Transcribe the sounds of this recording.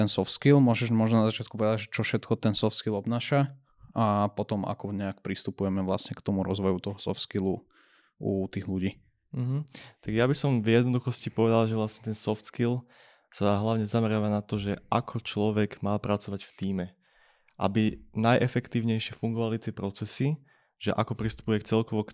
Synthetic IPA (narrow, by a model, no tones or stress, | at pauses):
t̪ɛnsɔft̪skilmʊɔʒɛʒmɔʒnɔnazat͡ʃɪat̪kupɔʋɛd̪aɟʒɛt͡ʃɔfʃɛt̪kɔt̪ɛnsɔft̪skilɔbnaːʃa | apɔt̪ɔma̰kɔɲɛak̚pɾist̪upujɛmɛʋlasɲɛkt̪ɔmuɾɔzʋɔjut̪ɔɦɔsɔ̰ft̪skilu | ut̪iːɣluɟiː | ɦm̩t̪aɡjabisɔmvjɛd̪nɔd̪uxɔscipɔʋɛd̪alʒɛʋlasɲɛt̪ɛnsɔft̪skil | saɦlaʊɲɛzamɛɾɪaːʋanat̪ɔʒɛakʰɔt͡ʃlɔʋɛɡmaːpɾat͡sɔʋacft̪iːmɛ | ʔa̰binajʔɛfɛkt̪iːʊɲɛjʃɪɛfuŋɡɔʋalit̪ɪɛpɾɔt͡sɛsi | ʒ̥ɛ̰ʔakɔpɾist̪u̥pujɛkt͡sɛlkɔʋɔk